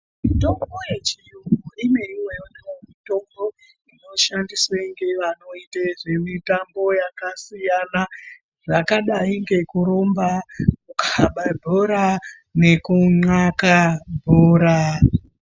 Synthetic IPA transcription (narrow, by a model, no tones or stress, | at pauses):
mito̞mɡoje̞t͡ʃijuŋoimeiweewemito̞mbo̞ | ino̞ʃandiswaŋɡe̞ʋano̞iteʐe̞mitambo̞jakasijana | ʐakaɗaiŋɡe̞kuɾombakukʰaɓabʱoɾa | ne̞kuŋ͡ǀakabʱoːɾa